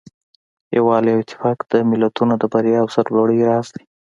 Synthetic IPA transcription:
jawɑliawɪt̪ɪ̥fɑkd̪̥əmɪlat̪unod̪əbaɾjɑːwsaɾloɽəjɾɑsd̪ḁj

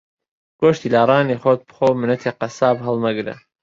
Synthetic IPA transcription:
ɡ̥oʃt̪iːlaːɾˤɑːniːxot̪̚bɨxoːwmɨnɐt̪ʰeqɐsaːbɦɨlˠnɐɡɾɐ̰

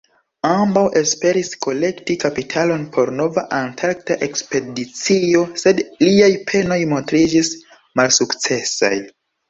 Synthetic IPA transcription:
ambawʔe̞spe̞ɾiskʰo̞le̞ktikapitʰalo̞npʰo̞ɾno̞vaʔantʰaɾktaʔe̞kspe̞dit͡sio̞se̞dliajpʰe̞no̞jmo̞ntɾid͡ʒis | malsukt͡se̞sa̰j

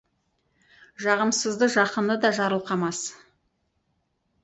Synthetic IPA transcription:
ʒɑʁəmsəzd̪əʒɑqənd̪əd̪ɑʒɑɾəlˠqʰɑmɑs

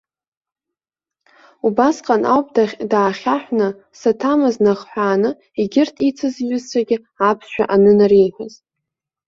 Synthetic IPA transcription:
ubasqʼanʔa̰wpʼdaːχʲaħʷna | satʰamɨznaʁħʷᶣaːnɨ | iɡʲɪrtʰit͡sʰɨzɥʏzt͡ʃʷʰaɡʲɪ | apʰsʃʷᶣa̰ʔanɨnaɾejħʷaz̥

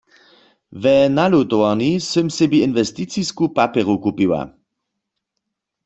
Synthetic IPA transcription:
vɛnalut̪owanisømsebiinvɛst̪it͡siskupapɛʁukupiwa̰

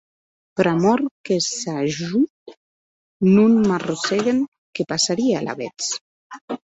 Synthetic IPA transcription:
pɾamɔɾkesaʒu | nunmaroseɣeŋ | kepasaɾiea̰la̰βet͡s

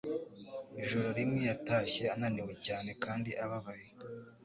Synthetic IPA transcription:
iʒoɾoɾimŋijataːʃe̞ananiwe̞caːne̞kaːndiʔaβaβaje

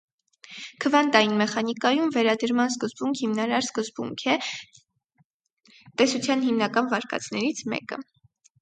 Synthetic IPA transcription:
kʰəvɑnt̪ɑinmɛχɑnikɑjumvɛɾɑd̪əɾmɑnskəzbuŋkʰhimnɑɾɑɾskəzbṵŋkʰɛ | t̪ɛsut͡sʰjɑnhimnɑkɑnvɑɾkʰɑ̰t͡sʰnɛɾit͡sʰmɛ̰kə̰

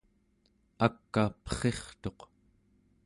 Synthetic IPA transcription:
akːapə̥χe̞χt̪o̞q

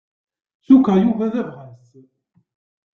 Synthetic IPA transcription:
sukajuvæðævʁæs

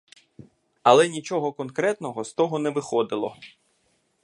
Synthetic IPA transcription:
ɐlˠɛnʲit͡ʃɔɦɔkɔnkɾɛt̪nɔɦɔst̪ɔɦɔnɛʋɪxɔd̪ɪlˠɔ̰

